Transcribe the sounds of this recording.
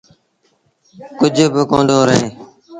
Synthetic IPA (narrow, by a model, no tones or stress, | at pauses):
kʊd͡ʒʱbɪkõːnd̪oːɾəɦẽː